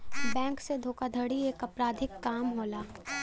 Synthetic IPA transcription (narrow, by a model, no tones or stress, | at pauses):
bɛ̃ːŋksed̪ʱoːkad̪ʱəɽieːkɐpɾaːd̪ʱɪkːaːmɦoːlaː